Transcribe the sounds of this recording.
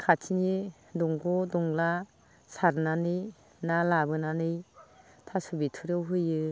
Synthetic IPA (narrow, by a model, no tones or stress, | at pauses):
kʰatʰini | dɔŋɡɔdɔŋla | saɾnanɯj | nalabɯnanɯj | tʰasubitʰuɾɯwɦɯjɯ